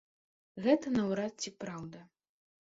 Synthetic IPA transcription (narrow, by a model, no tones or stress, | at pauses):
ɣɛt̪ɐnɐwɾat̪̚t͡sʲipɾawd̪ɐ